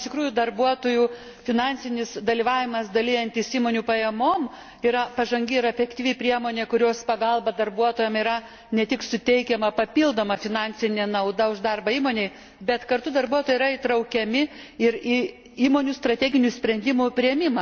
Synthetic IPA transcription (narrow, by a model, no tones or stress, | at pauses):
ɪʃt̪ʲɪkɾuːjud̪ɐrbuɔt̪oːju | fʲɪnɑnʲsʲɪnʲɪsd̪ɐlʲiʋɑːʋʲɪmɐsd̪ɐlʲɪjɛnʲt̪ʲɪsiːmoːnʲupɐjɛmoːm | iɾɐpɐʒɐŋʲɡʲɪɪɾɐfʲɛkt̪ʲiːʋʲipʲɾʲiɛmoːnʲeːkʊɾʲoːspɐɡɐlˠbɐd̪ɐrbuɔt̪oːjɛmiːɾɐ | nʲɛt̪ʲɪksʊt̪ʲɛɪkʲɛmɐpɐpʲilˠd̪oːmɐfʲɪnɑnʲsʲɪnʲenɐʊd̪ɐʊʒd̪ɑrbɐiːmoːnʲeɪ | bʲɛt̪kɐrt̪ʊd̪ɐrbuɔt̪oːjɛɪɾɐɪt̪ɾɐʊkʲɛmʲɪ | ɪɾi | iːmoːnʲust̪ɾɐt̪ʲɛːɡʲɪnʲusʲpʲɾʲɛnʲd̪ʲɪmʊpʲɾʲiɛmʲɪmɐ